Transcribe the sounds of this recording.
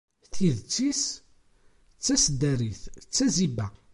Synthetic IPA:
θiðt͡sːis | t͡sːæsd̪æɾiθt͡sːæzibæ

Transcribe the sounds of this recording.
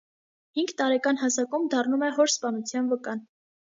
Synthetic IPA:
hiŋɡt̪ɑɾɛkɑnɦɑzɑkumd̪ɑrnumɛɦɔɾspɑnut͡sʰjɑnvəkɑn

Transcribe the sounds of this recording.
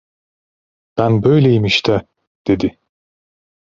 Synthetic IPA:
b̥ænbøjlʲejimiʃt̪ʰɛ | d̪̥e̞d̪ɪ

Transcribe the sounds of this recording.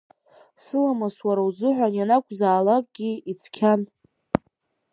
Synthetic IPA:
sɨlamaswaɾawzɨħᶣʷanjanakʷʰʼzaːlak̚ʼɡʲiit͡sʰkʲʰan

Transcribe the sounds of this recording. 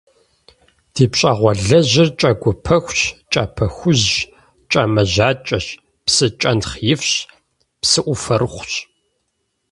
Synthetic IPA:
d̥iːpɕʼaːʁʷɔɮɐʑɪrt͡ʃʼɐɡʷʊpʰɐxʷɕt͡ʃʼaːpʰɐxʷʊʑ | t͡ʃʼamɐʑaːt͡ʃʼɐɕ | psɨt͡ʃʼɐnχjɪfɕ | psɨʔʷʊfɐrɨχʷɕ

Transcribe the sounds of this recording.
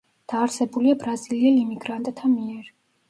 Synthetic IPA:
d̪̥aːɾsɛbuliabɾaziliɛlimiɡɾant̪ʼt̪ʰamiɛɾ

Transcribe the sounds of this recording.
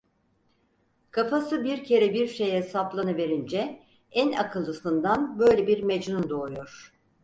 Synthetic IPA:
kʰafasɯbiɾcʰe̞ɾɛbiɾʃejɛsaplˠanɯve̞ɾind͡ʒɛ | ænakʰɯlˠːɯsɯnd̪anbø̞jlʲebiɾmed͡ʒnund̪o̞ːujo̞ɾ̝̥

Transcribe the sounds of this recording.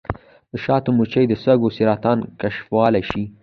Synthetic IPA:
pəʃɑt̪omut͡ʃəjd̪əsaɡosiɾɑt̪ɑːnkaʃfwɑlajʃi

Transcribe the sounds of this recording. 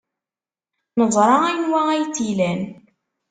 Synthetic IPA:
nəðˤɾˤɑæjwææjt͡sːilæn

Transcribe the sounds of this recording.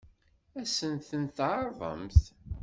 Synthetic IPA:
æsənθənθʕɑɾˤðˤə̰mθ

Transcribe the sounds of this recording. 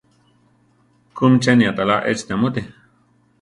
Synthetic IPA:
kumt͡ʃeniat̪ala̰ʔḛt͡ʃnamut̪e

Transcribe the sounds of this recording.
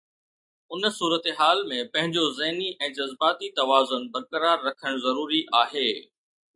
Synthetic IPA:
ʊnsuːɾət̪eɦaːlmẽpɐ̃ɦɪ̃ɲd͡ʑozeːniʔɛ̃ːd͡ʑɐzbaːt̪it̪ɐʋaːzʊnbɐɾkəɾaːɾːɐkʰəɽ̃zɐɾuːɾiʔaːɦeː

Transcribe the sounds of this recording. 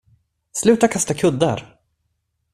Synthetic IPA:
slʉ̟ːt̪akʰast̪akʰɵd̪ːa̰ɾ

